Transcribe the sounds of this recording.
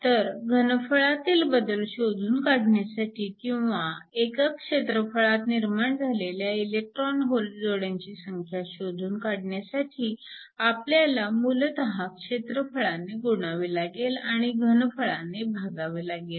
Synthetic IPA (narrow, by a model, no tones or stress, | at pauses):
t̪əɾɡʱənfəɭat̪iːlbəd̪əlɕod̪ʱuːnkaɽɳjasaʈiːkĩw̃ʋaekakʂet̪ɾəfəɭat̪niɾmaɳd͡zʱaleljailjek̚ʈɾɔnɦold͡zoɽjaɲt͡ɕiːsəŋkʰjaɕod̪ʱuːnkaɽɳjasaʈʰiː | apljalamult̪əɦakʂet̪ɾəfəɭaneɡuɳ̃aʋelaɡelaɽ̃iɡʱənfəɭanebʱaɡaʋelaɡel